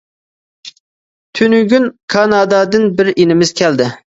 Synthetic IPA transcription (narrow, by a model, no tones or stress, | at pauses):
t̪ʰynyɡʲynkʰɑnɑd̪ɑd̪ɨnbɪɾenɪmɪz̥kʲʰɛld̪ɪ